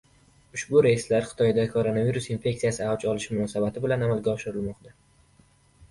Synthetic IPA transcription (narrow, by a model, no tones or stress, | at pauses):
ʊʃbʊɾaɪslaɾχɨ̥t̪ʰɒjd̪akʰoɾo̞naviɾusɪnfʲe̞k̚t̪ijasɪawt͡ʃɒlɪʃmʊnɒsabat̪ʰɪbɪlanamalˠɡʲaɒʃɪɾɪlmɒqt̪ʰa